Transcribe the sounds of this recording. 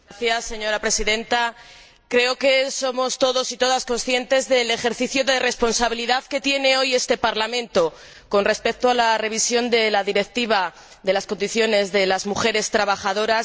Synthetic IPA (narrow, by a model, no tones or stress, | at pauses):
θjasːe̞ɲo̞ɾapɾe̞siðẽ̞nt̪a | kɾe̞o̞ke̞so̞mo̞st̪o̞ðo̞sit̪o̞ðasko̞nsθje̞nt̪e̞zðe̞le̞xe̞ɾθiθjoðe̞re̞spo̞nsaβ̞iliðaðke̞t̪je̞ne̞o̞je̞st̪e̞paɾlamẽ̞nt̪o̞ | ko̞nre̞spe̞k̚t̪oalare̞β̞isjo̞nd̪e̞laðiɾe̞k̚t̪iβ̞a | ðe̞lasko̞nd̪iθjo̞ne̞zðe̞lazmuxe̞ɾe̞st̪ɾaβaxaðo̞ɾa